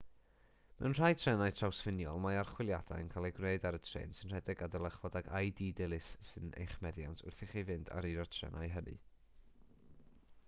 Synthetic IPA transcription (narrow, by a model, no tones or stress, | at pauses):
mɛ̰wnr̥ajtʰrɛnajtʰrawsfɪnjɔ̰lˠmaarχwɪlˠjad̥a̰jənkʰalˠɛɡreɨdaɾətʰr̥ḛːnsɨnr̥ɛdɪɡadəlˠəχvɔdaɡʰajdiːdɪlˠɨsːɨnḛjχmɛðja̰ntʰʊ̰rθɪχivɨnda̰ɾiɾɔtʰr̥ɛ̰nʔa̰jɦənɨ̰